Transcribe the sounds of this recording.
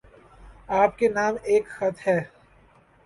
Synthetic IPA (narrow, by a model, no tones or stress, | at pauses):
aːp̚kenaːmeːkxɐt̪ɦɛː